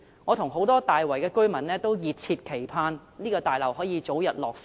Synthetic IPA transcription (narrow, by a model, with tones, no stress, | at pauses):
ŋɔː˨˧t̪ʰʊ˨˩ŋɦo˨˥wt̪ɔː˥t̪aː˨jwɐ˨˩jkɛː˧kɵ˥ɥmɐ˨˩nlɛː˥t̪o˥wjiː˨t̚t͡sʰiː˧t̚kʰe˨˩jpʰaː˧nniː˥kɔː˧t̪aː˨jlɐ˨˩whɔː˨˥jiː˨˧t͡so˨˥wjɐ˨t̚lɔː˨k̚s